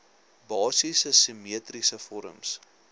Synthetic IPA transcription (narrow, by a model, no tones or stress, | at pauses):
bɑːsisəsimiət̪risəfɔɾə̰ms